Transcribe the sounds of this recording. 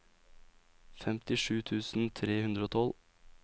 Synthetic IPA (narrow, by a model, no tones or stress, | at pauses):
fɛmt̪ɪʂʉːt̪ʰʉːsn̩t̪ʰɾeːhʉnd̪ɾəoːt̪ʰɔl